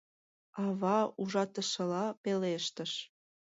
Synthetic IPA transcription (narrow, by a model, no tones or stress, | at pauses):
ɑβɑuʒɑt̪əʃə̆lɑpeleʃt̪ə̆ʃ